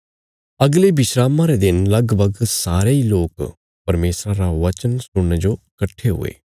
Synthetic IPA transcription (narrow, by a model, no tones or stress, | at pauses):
ɐɡlebɪʃɾaːmãɾed̪ɪnlɐɡbʱəɡsaːɾeiloːk | pɐɾmeːsɾãɾaʋɐt͡ʃənsʊɽned͡ʒoːkəʈʰːeɦʊ̰ḛː